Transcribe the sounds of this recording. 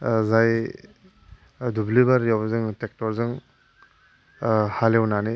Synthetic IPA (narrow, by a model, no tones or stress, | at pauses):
zaj | dublibaɾjawzɯŋtek̚tɔɾzɯŋ | halewnani